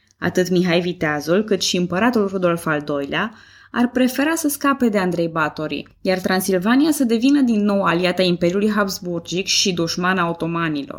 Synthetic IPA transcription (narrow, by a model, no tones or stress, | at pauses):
a̰t̪ɨt̪miɦajvit̪eazulkɨt̪ʃiɨmpəɾat̪ulrud̪o̞lfald̪o̞jlea | arpɾe̞fe̞ɾasəskape̞d̪e̞and̪ɾe̞jbat̪o̞ɾḭ | jart̪ɾansilvanijasəd̪e̞vinəd̪inːo̞waliat̪aimpe̞ɾjulujɦapsburd͡ʒikʃid̪uʃmanaot̪o̞manilo̰r